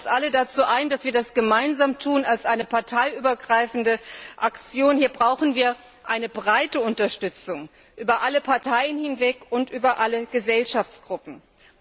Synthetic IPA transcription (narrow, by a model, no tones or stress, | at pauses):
sʔalədat͡suːʔaɪndasv̥iːɐdasɡ̥əmaɪnzaːmtʰuːnalsʔaɪnəpʰaɐtʰaɪʔyːbɐɡʁaɪfn̩dəʔakt͡sjoːnhiːɐbʁaʊxn̩viːɐ | ʔaɪnəbʁaɪtəʊntɐʃtʏt͡sʊŋ | ʔyːbɐʔaləpʰaɐtʰaɪənhɪnvɛkʊntʔyːbɐʔaləɡ̥əzɛlʃaft͡sɡ̥ʁʊpm̩